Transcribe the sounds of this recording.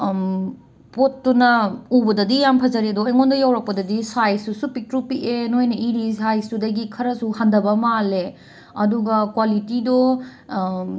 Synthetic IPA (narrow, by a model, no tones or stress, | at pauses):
potːunɐubɐdɐdijampʰɐzɐɾedɔːjŋondɐjawɾɐk̚pɐdɐdisajsusupitɾupiʔenojnɐʔiɾisajstudɐɡikʰɐɾɐsuhandɐbɐmale | ɐduɡɐkwalitidɔ